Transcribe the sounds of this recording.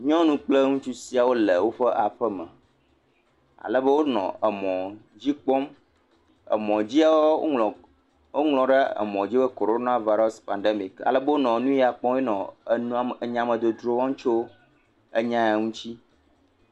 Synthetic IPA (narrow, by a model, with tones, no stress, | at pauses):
ɲɔ̃˦nũ˦k͡ple˦ŋũ˦t͡ʃu˦si˦a˨wo˦lə˨wo˦ɸə˦ʔa˨ɸə˦mə̰̃˨ | a̰˨lə˦bə˦wo˦nɔ̰̃˨ə˨mɔ̃˨d͡ʑi˦k͡pɔ˦m | ə̰˨mɔ̃˨d͡ʑi˦a˨wo˦˨ | wo˦ŋlɔ̃˨ɖə˦ə̰˨mɔ̃˨d͡ʑi˦bə˦ko˨ɾo˦nã˦va˦ɾɔ˦spã˨nɖe˦mi˨ka̰˨lə˦bə˦wo˦nɔ̃˨˦nũ˦ja˨k͡pɔ˦e˦nɔ̃˨˦˨ | ɲã˨mə̃˨d̪o˨d̪ɾo˨˦wɔ̃˦ŋ̩ũ˦t͡ʃo˦ | ə˦ɲã˦a˨ŋũ˦t͡ɕi˦